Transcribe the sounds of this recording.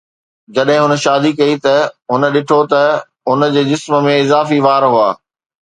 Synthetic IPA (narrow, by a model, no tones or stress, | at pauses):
d͡ʑɐɗɦɪ̃ɦʊnə̆ʃaːd̪ikɐit̪ɐɦʊnəɗɪʈʰot̪ɐ | ɦʊnə̆d͡ʑeːd͡ʑɪsmə̆mẽɪzaːfiʋaːɾɦuaː